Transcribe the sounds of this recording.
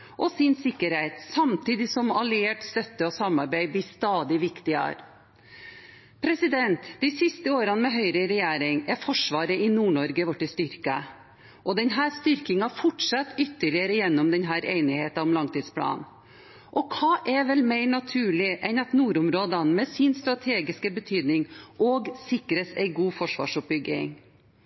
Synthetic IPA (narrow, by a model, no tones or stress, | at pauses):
ʔɔsɪnsɪkːəɾheɪt̪sɑmt̪iːd̪ɪsɔmɑlɪeːʈst̪œt̪ːəɔsɑmːɑɾbæɪb̪ɪst̪ɑːd̪ɪʋɪkt̪ɪɑ̰ɾ | pʰɾɛsɪd̪ɛnt̪d̪̥ɪsɪst̪əoːɾɑnmɛɦœʏɾəɾɛjæːɾɪŋɛɾfɔʂʋɑːɾəʔɪnuːɳɔɾɡəʋɔʈːɪst̪ʏɾkə | ʔɔd̪ɛnɦæːɾst̪ʏɾkɪŋɑfɔʈʂɑt̪ːʏt̪ːəɭɪəɾəjɛnːɔmd̪ɛnɦæːɾḛɪnɪheːt̪ɑɔmlɑŋt̪iːd̪spʰlɑ̰ːn | ʔɔkʰɑːʔɛʋɛlmeɪɳɑt̪ʰʉːɭɪʔɛnɑt̪nuːɾʊmɾoːd̪ənmɛsɪnst̪ɾɑt̪ʰeːɡɪskəbət̪ʰyːd̪nɪŋʔɔːɡsɪkɾəsɛ̰ɪɡuːfɔʂʋɑ̰ːʂʊp̚bʏɡːɪ̰ŋ